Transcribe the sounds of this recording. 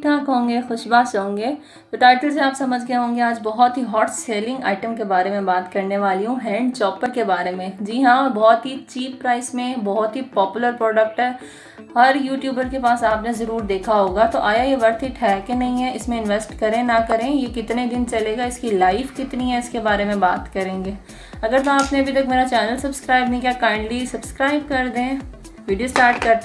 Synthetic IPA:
ʈʰaːkɦõːŋɡexʊʃbaːsɦõːŋɡeː | t̪oʈaːɪʈəls̬eaːpsɐməd͡ʒʱkeɦõːŋɡeaːd͡ʒbɔɦɔt̪ɦiɦɔːʈseːlɪ̃ŋɡa̰ːɪʈə̃mkebaːɾemẽbaːt̪kɐɾneʋaːliɦũɦɛ̃ːɳɖ̚t͡ʃɔːpəɾkebaːɾemẽd͡ʒiːɦãbɔːɔt̪ɦit͡ʃiːpːɾaːɪsmẽbɔɦɔt̪ɦipɔːpjʊləɾpɾɔːɖək̚ʈɦɛː | hɐɾjuːʈjuːbəɾkepaːsaːpnezɐɾuːɾd̪eːkʰaɦoːɡat̪oʔaːjajeʋɐɾt̪ʰɦiʈʰɛːkenɐɦĩɦɛɪsmẽɪ̃nʋɛsʈkɐɾẽnɐkɐɾẽjekɪt̪ned̪ɪnt͡ʃɐleːɡaɪskilaːɪfkɪt̪niɦɛ̃ɪskebaːɾemẽbaːt̪kɐɾẽːŋɡeː | ɐɡəɾt̪ʊmaːpneɐbʱit̪ɐkmeːɾat͡ʃɛːnəlsɐbskɾaːɪbnɐɦĩkʲjakãːɪ̃ɳɖlisɐbskɾaːɪb̚kɐɾd̪ẽ | ʋiːɖiosʈaːɾʈ̚kɐɾt̪

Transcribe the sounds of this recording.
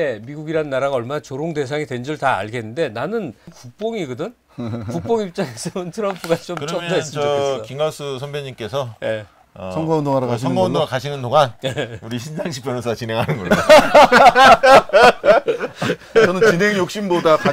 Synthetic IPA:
emiɡuɡiɾannːaɾaɡaʌɭmanat͡ɕoɾoŋde̞s̬ʰaŋitwe̞nd͡ʑɯɭta̰ːɭɡe̞nːɯnde̞nanɯnkuk̚p͈oŋiɡɯdɯn | ukk͈oŋip̚t͡ɕ͈aŋes͈ʰɯmɯntʰɯɾʌmpʰuɡat͡ɕomkɯɾt͡ɕomjmd͡ʑaest͡ɕʌoes͈ʌkiŋɡʌsʰɯsʰʌmbeɲimk͈e̞sʰʌje̞̰ | sʰʌŋɡaʌndoŋaɾakaɕʰiʌnŋɡaʌdoakaɕʰinɯndoŋɦanjeuɾiɕʰinsʰaŋɕʰi̥pʰjʌnʌsʰat͡ɕinɦe̞ŋɦanɯnɡʌ | ʌnɯnt͡ɕinɦe̞ŋjok̚ɕ͈imbodaka

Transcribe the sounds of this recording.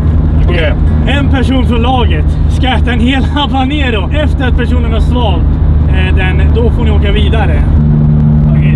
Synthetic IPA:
ɛnpʰæʂuːnfɾɔlɑːɡət̪ | skaɛt̪ːaɛnheːlablaneːɾɔʔɛft̪əɾat̪̚pʰæʂuːnənhaʂvɑːlt̪ | d̪ɛnd̪ɔfoːɳɪoːkaviːd̪aɾə

